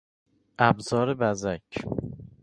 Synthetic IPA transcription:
ʔæbzɒːɾebæzæcʰ

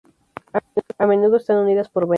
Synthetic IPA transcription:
amenuðoest̪anuniðaspoɾβe

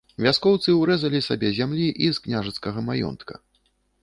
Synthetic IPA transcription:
vʲaskɔwt̪sɨuwɾɛzɐlʲisabʲɛzʲamlʲiʔizknʲaʐɐt̪skɐɣɐmajɔ̰nt̪kɐ̥̰

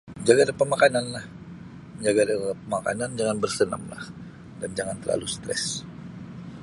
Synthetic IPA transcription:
məɲd͡ʒaɡadəpəmakananlah | məɲd͡ʒaɡadəpəmaka̰nand͡ʒaŋanbərsəna̰mla̰h | dand͡ʒaŋant̪ərla̰lust̪ɾɛ̰s

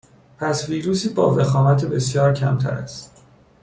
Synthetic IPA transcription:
pʰæsviːɾuːsiːbɒ̰ːve̞xɒːmæt̪ʰebe̞sjɒːɾcʰæ̰mt̪ʰæ̰ɾæ̰st̪

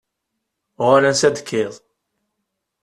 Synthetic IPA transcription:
ʁalænsæd̪kʰːɪðˤ

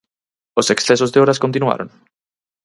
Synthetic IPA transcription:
oseksθesozðeoɾaskõnt̪̬inwa̰ɾoŋ

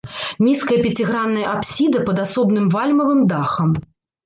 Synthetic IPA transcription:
nʲiskɐjɐpʲɛt͡sʲiɣɾanːɐjɐʔapsʲid̪ɐpɐd̪asɔbnɨmvalʲmɐvɨmd̪axɐm

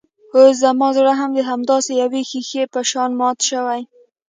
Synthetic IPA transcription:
os̬d̪amɑzɽaɦamd̪əɦamd̪ɑsejawexixepəʃɑnmɑt̪ʃəwaj

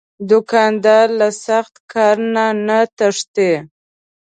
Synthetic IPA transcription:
d̪ʊkɑnd̪ɑɾlasaxt̪kʰɑɾnanat̪aʂt̪e

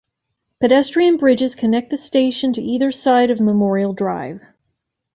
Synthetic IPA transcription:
pɨɾɛstɹ̥iɨ̃nbɹɪd͡ʒɨz̥kʰɨnɛk̪̚ðɨsteɪʃɨ̃ntʰɨʔiðə˞saɪɾʌvməmɔɹil̩ˠdɹaɪv̥

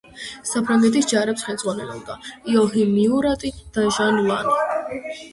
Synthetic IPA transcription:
sapʰɾaŋɡɛt̪ʰʼisd͡ʒaɾɛpsχɛld̪zʁwanɛlɔ̰b̚d̪aiɔɦimiuɾat̪ʼid̪̥aʒanulˠa̰ni

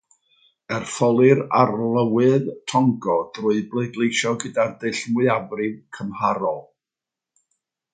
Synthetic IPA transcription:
ɛrfɔlˠɨɾarlˠəwɨðtʰɔŋɡɔd̥rʊɨblˠeɨdlˠejʃɔɡədadɨɬmɨavrɨvkʰəmhaɾɔlˠ

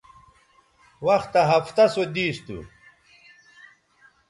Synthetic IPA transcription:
wɐxt̪ːɐɦɐft̪ɐsod̪iːst̪ṵ

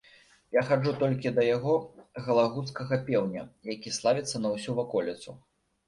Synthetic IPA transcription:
jaxad͡ʐut̪ɔlʲkʲid̪ɐjaɣɔɣɐlˠaɣut̪skɐɣɐpʲɛwnʲɐ̰jakʲislˠavʲit̪sːɐnɐwsʲuvakɔlʲit̪su

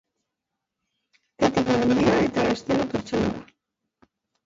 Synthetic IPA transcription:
et̪ikomend̪iaet̪aest̪eɾopeɾt͡ʃonaða̰

